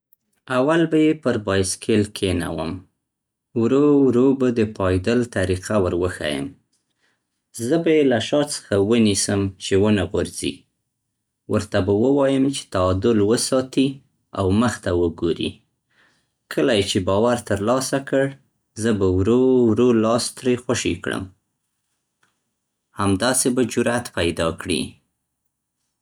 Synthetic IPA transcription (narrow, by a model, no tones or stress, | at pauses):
awalbajepəɾbɑjskʰelkʰena̰wə̰m | wɾowɾobad̪əpʰɑjd̪əlt̪aɾiqawəɾwəxa̰jə̰m | zəbajelaʃɑt͡sə̥xawənisəmt͡ʃewənaɣʊɾz̥ḭ | wəɾt̪abawəwɑjəmt͡ʃe̥t̪aɑd̪ʊlwəsɑt̪i | a̰wməxt̪awəɡoɾḭ | kʰəlajet͡ʃebɑwaɾt̪əɾlɑsakəɽ | zəbawɾowɾolɑst̪ɾexwaʃikɽə̰m | hamd̪ɑsebad͡ʒʊɾat̪pajd̪ɑkɽḭ